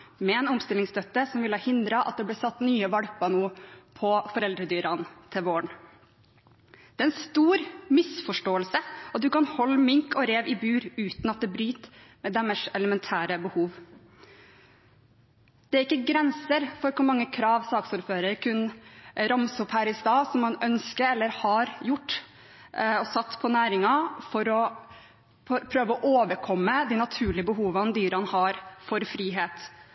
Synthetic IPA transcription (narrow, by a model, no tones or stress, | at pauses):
mɛɛnʊmst̪ɪlɪŋst̪œt̪ːəsɔmʋɪləhɑːhɪnd̪ɾɑʔɑ̰t̪̚d̪ɛblæːsɑt̪ːnyːəʋɑɽpɑnuːpʰɔfɔɾɛld̪ɾəd̪yːɾɑnt̪ʰɪʋoːɳ | d̪̥ɛːɛnst̪uːɾmɪsfɔʂʈoːəlsəɑt̪̚d̪ʉkɑnhɔlːmɪŋkɔɾeːʋɪbʉːɾʉːt̪nɑt̪̚d̪ɛbɾyːt̪mɛd̪ɛməʂɛləmɛnt̪ʰæːɾəbəhuːʋ | d̪̥ɛæɾɪkːəɡɾɛnsəɾfɔɾkʊɾmɑŋːəkʰɾɑːʋsɑːksʊɾføːɾəɾkʰʉnɾɑmsɔphæːɾɪst̪ɑːsɔmːɑnœnskəɾɛlːəɾhɑɾjʊʈː | ɔsɑt̪ːpʰɔnæːɾɪŋɑfɔɾɔ | pʰɾøːʋəɔʔoːʋəɾkʰɔmːəd̪ɪnɑt̪ʰʉːɭɪəbəɦuːʋɑnd̪yːɾɑɑnhɑːɾfɔɾfɾiːɦeːt̪